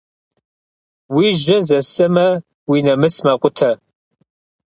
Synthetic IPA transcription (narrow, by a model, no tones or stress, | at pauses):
wiːʒɐzɐsʼɨmɐ | winɐmɨsmɐqʷʼʊtʰɐ